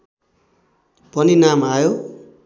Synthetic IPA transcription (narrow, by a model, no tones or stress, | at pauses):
pʌninamajo